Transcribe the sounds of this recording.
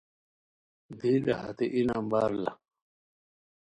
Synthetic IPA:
d̪iːɗɐha̰t̪eʔinambaːɾla̰

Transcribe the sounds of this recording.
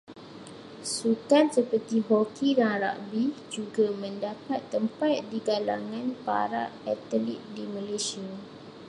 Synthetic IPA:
sukansəpərt̪iɦɔkidaŋɾa̰ʔbid͡ʒuɡamə̃ndapat̪ːəmpat̪̚diɡala̰ŋãnpa̰ɾa̰ʔɛt̪əlit̪̚dimə̃lesia

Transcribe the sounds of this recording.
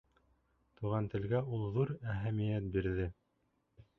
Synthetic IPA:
t̪uʁɑnt̪ɘ̆lɡæulˠðuɾæɦæmĭjæt̪̚biɾðɘ

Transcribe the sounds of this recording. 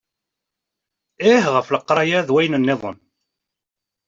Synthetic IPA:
ɪhʁəfləqːɾˤɑjæðwæjnənːɪðˤə̰n

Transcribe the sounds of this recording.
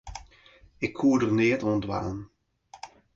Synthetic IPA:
ɪkhuːdərneːtɔndʋa̰ːnən

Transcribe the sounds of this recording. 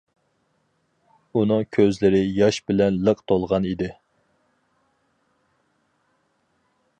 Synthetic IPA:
unɨŋkʲʰøzlɪɾɪjɑʃbɪlɛnləqt̪ʰolˠʁɑnid̪ɪ

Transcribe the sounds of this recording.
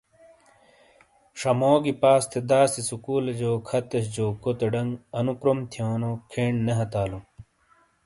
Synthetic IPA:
ʂɐmoːɡipaːst̪ʰed̪aːsisukuːlɐd͡ʑoːkʰɐt̪ɐɕd͡ʑoːkot̪eɖɐŋɡɐnukɾomt̪ʰijoːnokʰeːɳnɐɦɐt̪aːlu

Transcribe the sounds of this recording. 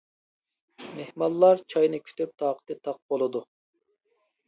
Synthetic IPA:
mehmɑlˠːɑɾt͡ʃʰɑjnɨkʲʰy̥t̪yp̚t̪ʰɑːqʰə̥t̪ɨt̪ʰɑq̚bolˠɨd̪u

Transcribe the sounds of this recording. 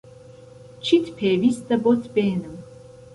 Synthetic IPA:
t͡ʃʰit̪ʰpʰɛːvisd̪abɔt̪ʰbɛːnɨm

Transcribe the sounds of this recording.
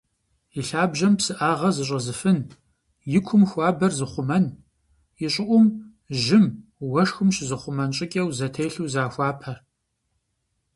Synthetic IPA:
jɪɬaːbʒɐmpsɨʔaːʁɐzɨɕ̬ʼɐzɨfɨn | jɪkʷʰʊmxʷɑːbɐrzɨχʷʊmɐn | jɪɕʼɪʔʷʊm | ʒɪmwɐʂxɨmʃzɨχʷʊmɐnɕʼɪkʲʼɐwzɐtʰeːɬuːzaːxʷaːpʰɐr

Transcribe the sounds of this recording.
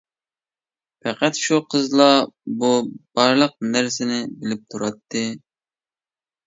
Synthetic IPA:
pɛqæt̪ʃuqʰəzlˠɑbub̥ɑɾlˠəq̚næɾsɪnɪbɪlɪp̚t̪ʰuɾɑt̪ʰːɨ

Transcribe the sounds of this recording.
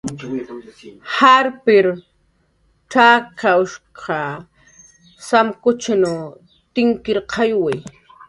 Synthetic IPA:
haɾpɪɾ | ʈ͡ʂakaʊʃqʰɑ | samkʊt͡ʃanu | t̪ɪŋkɪɾqʰɑjwaj

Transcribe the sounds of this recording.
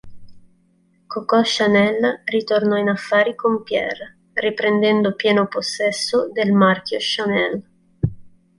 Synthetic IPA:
kokɔʃːanɛlrit̪ornɔinafːaːɾikompjɛ̰r | ripɾend̪ɛnd̪opjɛːnoposːɛsːod̪elmarkjoʃanɛl

